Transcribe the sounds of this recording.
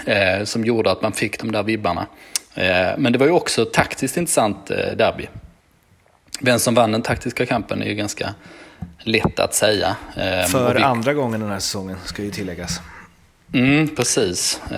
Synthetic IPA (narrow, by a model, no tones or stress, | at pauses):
sɔmjuːɖəat̪manfɪkːd̪ɔmd̪æːɾvɪbːaɳa̰ | mɛnd̪ɛvaɾjɵɔksɔt̪ʰakt̪ɪskt̪ɪnt̪ɾə̥sant̪d̪æɾbɪ̰ | vɛnsɔmvand̪ɛnt̪ʰak̚t̪ɪskakʰampənæ̰ɾjɵɡanska̰ | lɛt̪ːa̰t̪sɛjːa̰fœɾand̪ɾaɡɔŋːənd̪ɛnhæːsɛ̥sɔŋːənskad̪ɛjɵt̪ʰɪlːɛɡːas | m̩pʰɾɛsiːs